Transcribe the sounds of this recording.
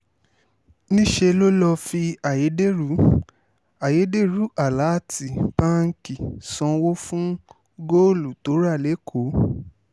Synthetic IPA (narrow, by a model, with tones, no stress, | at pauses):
nĩ˦ʃe˧lo˦lɔ˧fi˧a˨je˨˦de˦˨ɾu˨˦ | a˨je˨˦de˦ɾu˨˦ʔa˨la˨˦ti˨pã˦ŋ̩˦ki˨sɔ̃˧wo˦fũ˦ | ɡo˦lu˨to˨˦ɾa˦˨le˨˦kʰo˨˦